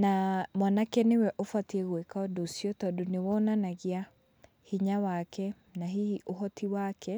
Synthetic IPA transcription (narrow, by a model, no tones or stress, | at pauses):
namwanakɛnewɛʔofwatiɛɣoekaɔdosiɔtɔdonewɔːnanaɣia | hiɲawakɛ | naɦiiʔoɦɔtʰiwakɛ